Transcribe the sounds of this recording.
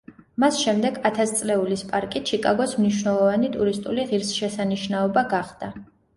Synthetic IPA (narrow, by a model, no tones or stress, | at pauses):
masʃɛmd̪ɛɡat̪ʰast̪sʼlɛulispʼaɾkʼit͡ʃʰikʼaɡɔsmniʃvnɛlˠɔvanit̪ʼuɾist̪ʼuliʁiɾsʃɛsaniʃnaɔbaɡaχd̪̥a